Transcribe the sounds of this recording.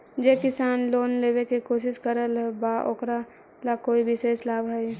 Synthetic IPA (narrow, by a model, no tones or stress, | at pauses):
d͡ʒeːkɪsaːnloːnleːbekikoːʃɪskəɾəlɦbaʔo̰kɾa | lakoːibʱiseːslaːbɦɛi